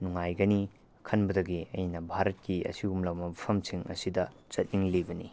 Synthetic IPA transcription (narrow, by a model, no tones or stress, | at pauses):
nuŋajɡɐni | kʰɐnbɐdɐɡiɐ̰jnɐbʱaɾɐt̚kiɐ̰siumlɐwmɐbɐpʰɐmsiŋɐ̰sidɐt͡ʃɐt̚niŋlibɐnḭ